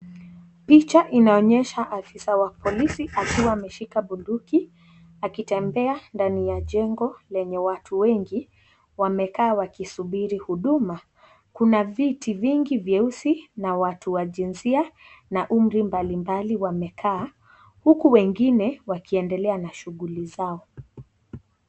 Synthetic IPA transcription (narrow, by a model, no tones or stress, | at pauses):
pit͡ʃaʔinaɔɲɛʃaʔafisawapʰɔlisiʔakiwaːmɛʃikaɓunduki | akitɛmbɛandanijaʄɛŋɡɔlɛɲɛwatʰuwɛŋɡi | wamɛkaːwakisuɓiɾihuɗuma | kunavitiviŋɡivjɛusinawatʰuwaʄinsia | naʔum̩ɾimbalimbaliwamɛkʰaː | hukuwɛŋɡinɛwakiɛndɛlɛanaʃuɠulizaɔ